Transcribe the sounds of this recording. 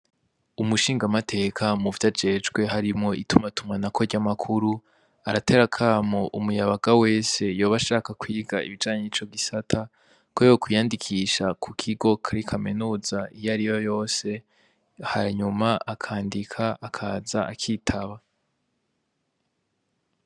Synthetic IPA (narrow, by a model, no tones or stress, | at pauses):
umuʃiːŋɡamatʰe̞ːkʰamuvjad͡ʒe̞ːd͡ʒɡwe̞ɦaɾimŋo̞ʔitumatumŋanakʰo̞ɾɟamakʰuɾu | aɾate̞ɾakʰaːmoʔumujaβaɡawe̞ːse̞jo̞ːβaʃaːkakwiːɡaḭβid͡ʒaːɲenit͡ʃo̞ɡisatʰa | kojo̞kwujaːndikʰiʃakʰukʰiɡo̞kʰaɾikʰamenuːzaijaɾijo̞jo̞ːse̞ | haɲumaakʰaːndikʰaʔakʰazaakʰiːtʰaβa